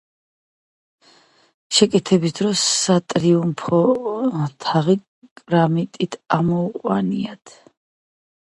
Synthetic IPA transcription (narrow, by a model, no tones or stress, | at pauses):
ʃɛkʼɛt̪ʰɛbisd̪ɾɔsːat̪ʼɾiumpʰɔ | t̪ʰaʁi | kʼɾamit̪ʼit̪ʰamɔuqʼwaniat̪ʰ